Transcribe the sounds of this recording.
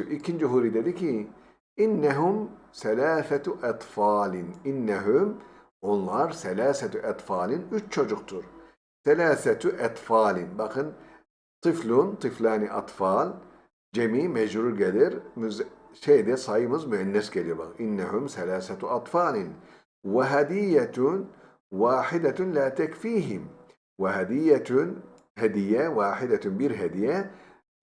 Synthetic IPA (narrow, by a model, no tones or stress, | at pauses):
ʔicʰind͡ʒiɦuːɾid̪ed̪icʰi | inːɛɦumsɛlaːθɛt̪ʔɑt̪ˤfɑːlininːɛɦum | onlˠaɾsɛlaːsɛt̪ʔɛt̪ˤfɑːlʲinyt͡ʃt͡ʃʰo̞d͡ʒuqt̪ʰuɾ | sɛlʲaːsɛt̪ʔɛt̪ˤfaːlʲinbakʰɯn | t̪ʰɨflunt̪ʰɨflʲaːniʔɑ̰t̪ˤfɑːlʲ | d͡ʒamiːmad͡ʒɾuːɾɡad̪ɪɾmʊzʃaːd̪esˤɑjmɨzmaʕɪnːasɡaliba̰ɣʔɪnːaɦʊmθalaːθat̪ʔɑt̪ˤfɑːlɪn | wɪɦad̪ɪjːa | waːħɪd̪alaːt̪akfiːɦɪm | wɪɦad̪ɪjːat̪ | had̪ɪjːawaːħɪd̪abiːɾɦad̪ɪjːa